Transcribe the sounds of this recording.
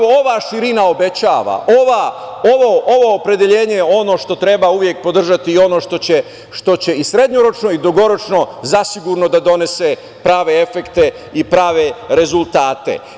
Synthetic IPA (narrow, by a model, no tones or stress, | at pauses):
ooʋaʃiɾinao̞be̞t͡ɕaːʋa̰ʔoʋaoʋoʔoʋo̞ːpɾe̞d̪e̞ʎe̞ːɲe̞jeo̞no̞ːʃt̪o̞t̪ɾe̞bauʋje̞k̚po̞d̪r̩ʒat̪iːo̞no̞ːʃt̪o̞t͡ɕe | ʃt̪o̞t͡ɕe̞isɾe̞d̪ɲoɾo̞t͡ʃno̞id̪uɡo̞ɾo̞t͡ʃno̞zasiɡuɾno̞d̪ad̪o̞ne̞se | pɾaːʋe̞e̞fe̞kt̪e̞ | ipɾaːʋe̞ɾe̞zulˠt̪aːt̪e̞̰